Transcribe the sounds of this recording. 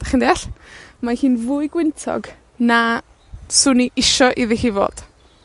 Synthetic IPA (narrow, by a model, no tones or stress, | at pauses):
d̥aχɪndeaɬmahiːnvʊɨɡwɪntʰɔ̰ɡ | na | sʊniʔɪʃɔʔiðɪhivo̰ːd̥